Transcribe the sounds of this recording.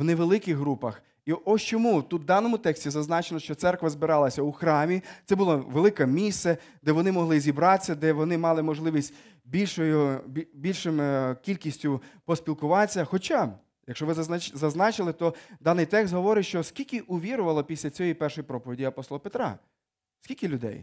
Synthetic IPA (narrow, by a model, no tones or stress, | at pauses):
ʋneʋelˠɪkɪɣɦɾupɐx | iʔɔʃt͡ʃɔmut̪ut̪̚d̪ɑnɔmʊt̪ɛksʲtʲizɐznɑt͡ʃenɔʃt͡ʃɔt̪sɛrkʋɐzbɪɾɑlˠɐsʲɐuxɾɑmʲit̪sɛbʊlˠɔʋelˠɪkɐmʲisɛ | d̪ɛʋɔnɪmɔɦlˠɪzʲibɾɑt͡sʲːɐd̪ɛʋɔnɪmɑlˠɪmɔʒlˠɪʋʲisʲtʲ | bʲilʲʃɔjʊbʲilʲʃɪmkʲilʲkʲisʲtʲʊpɔsʲpʲilˠkʊʋɑt͡sʲːɐxɔt͡ʃɑ | jɐkʃɔʋɪzzɐznɑt͡ʃɪlˠɪt̪ɔd̪ɑnɪjt̪ɛkst̪ɦɔʋɔɾɪt͡ʃʃt͡ʃɔskʲilʲkʲɪʔʊʋʲiɾʊʋɐlˠɔpʲisʲlʲɐt͡sʲɔjipɛrʃɔjipɾɔpɔʋʲidʲiɐpɔst̪lˠɐpet̪ɾɑ̰ | sʲkʲilʲkʲɪlʲʊd̪ɛ̰j